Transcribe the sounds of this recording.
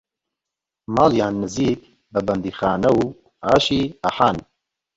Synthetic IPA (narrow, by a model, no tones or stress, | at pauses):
maːljaːnːɨziːk̚ | bɛbɐnd̪iːxaːnɐw | aːʃiːaħaːn